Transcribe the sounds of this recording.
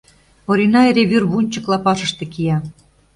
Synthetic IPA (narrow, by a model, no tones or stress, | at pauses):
poɾʲinɑeɾeβyrβunʲt͡ɕə̆klɑpɑʃə̆ʃt̪ĕkijɑ